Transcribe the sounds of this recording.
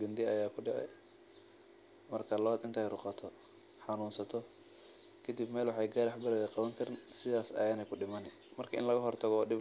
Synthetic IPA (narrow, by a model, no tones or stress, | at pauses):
ɡɐnd̪ɪɐjaːkʰʊɖɪʕɛ̰ | mɐrkʰɐlɐd̪ɪnt̪ʰɐːjɾʊqɑt̪ʰɔ | ħɑnuːnsɐt̪ʰɔ | kʰɐd̪ibmɛːlwʊħɑjɡaɾɐħbɐɾɛðɛqɑβɐŋkʰɐɾɪnsɪðaːsɐ̰jaːnɛjkʰʊɖɪmɐnɪ | mɐrkʰɐʔɪ̰nlɐɣɐɦɔrt̪ʰɐɣɔɗɪb